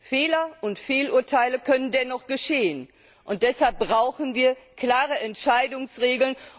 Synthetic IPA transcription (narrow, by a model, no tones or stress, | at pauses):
feːlɐʔʊntfeːluːɐtʰaɪləkʰœnəndɛnɔχɡ̥əʃeːən | ʔʊnt̚d̥ɛshalp̚b̥ʁaʊxn̩viːɐkl̥aːʁəʔɛntʃaɪdʊŋsʁeːɡl̩n